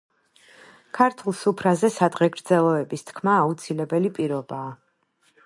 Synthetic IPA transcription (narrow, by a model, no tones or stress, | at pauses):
kʰaɾt̪ʰulˠsupʰɾazɛsad̪ʁɛɡɾd̪zɛlˠɔɛbist̪ʰkʰmaːut̪sʰilɛbɛlipʼiɾɔbaː